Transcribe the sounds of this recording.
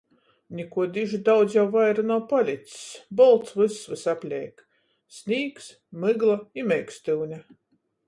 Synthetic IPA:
nʲikuɔd̪iʒid̪awd̪zʲjawvajɾanawpalʲit̪ssbɔlˠt̪svɨsvɨsapʲlʲɛjk | sʲnʲiːks | mɨɡlˠaimʲɛjksʲt̪ɨwnʲa

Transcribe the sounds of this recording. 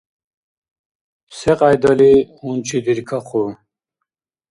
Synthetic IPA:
seqɑjd̪ɐliunt͡ɕʰid̪iɾkʰɐqʰu

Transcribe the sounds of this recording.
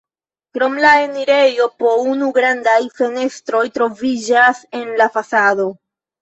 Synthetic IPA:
kɾo̞mlae̞niɾe̞jo̞po̞unuɡɾandajfe̞ne̞stɾo̞jtɾo̞vid͡ʒase̞nlafasado̞

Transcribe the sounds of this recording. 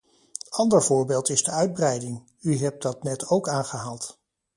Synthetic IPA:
ɑndəɹvʊːɹbeːlˠtɪzdəœɥd̚brɛjdɪŋ | yɦɛp̚dɑtnɛtowkaːnχəɦaːlˠt

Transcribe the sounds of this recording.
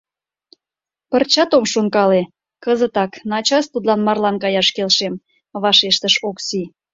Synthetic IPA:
pərt͡ɕɑt̪omʃoŋkɑle | kəzət̪ɑknɑt͡ɕɑst̪ud̪lɑnmɑrlɑnkɑjɑʃkelʃem | βɑʃeʃt̪əʃoksi

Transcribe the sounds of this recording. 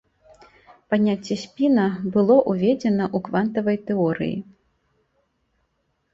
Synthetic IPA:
panʲat͡sʲːɛsʲpʲinɐbɨlˠɔʔuvʲɛd͡zʲɛnɐʔukvant̪ɐvɐjt̪ɛɔɾɨ̰jḭ

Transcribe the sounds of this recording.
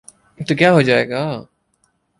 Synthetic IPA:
t̪okjaːɦoːd͡ʒaːḛːɡaː

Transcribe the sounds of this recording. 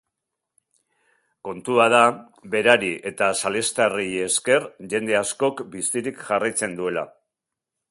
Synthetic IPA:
ko̞nt̪uaða | be̞ɾaɾiʔe̞t̪asale̞st̪arije̞ske̞rʝe̞nd̪e̞asko̞kbist̪iɾikʝarajt͡se̞nd̪ue̞la̰

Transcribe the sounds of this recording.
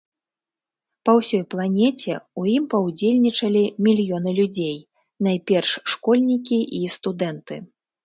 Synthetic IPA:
pɐwsʲɔjplˠanʲɛt͡sʲɛujimpɐwd͡zʲelʲnʲit͡ʂɐlʲimʲilʲjɔnɨlʲud͡zʲej | najpʲɛrʂːkɔlʲnʲikʲiʔist̪ud̪ɛnt̪ɨ̰

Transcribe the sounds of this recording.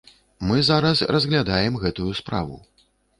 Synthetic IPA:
mɨzaɾɐsrɐzɣlʲad̪ajɛmɣɛt̪ujuspɾa̰vṵ

